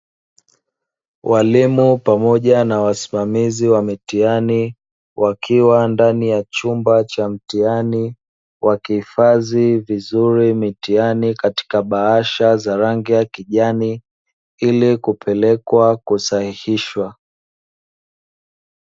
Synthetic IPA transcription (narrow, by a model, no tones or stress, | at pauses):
wʔalimupamɔʄanawasi̥mamiziwamitiani | wʔakʰiwandanijat͡ʃumbat͡ʃam̩tiani | wakihifazivizuɾimitianikati̥kaɓahaʃazaɾaŋɡijakiʄani | ilikupʰɛlɛkwakusahihiʃwa